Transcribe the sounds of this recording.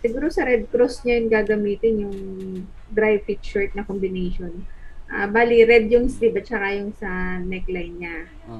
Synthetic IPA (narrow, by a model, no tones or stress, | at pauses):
sɪɡuːɾosɐɾɛd̪̚kɾost̪̚ɲajŋɡaːɡɐmiːt̪ɪnjʊŋ | d̪ɾajvpik̪t͡ʃɔɹt̪̚nɐkombɪnɛjʃonʔabaːliɾɛd̪̚jʊŋsɾibɐt̪t͡ʃɐkajʊŋsɐnɛklajnɲa